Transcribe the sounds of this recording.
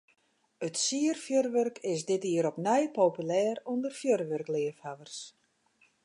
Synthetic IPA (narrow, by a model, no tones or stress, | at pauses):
ətsiərfjørʋørkʰɪsdɪtiəɾɔpnɛjpoːpylɛːrundərfjørʋørklɪəfhaʋərs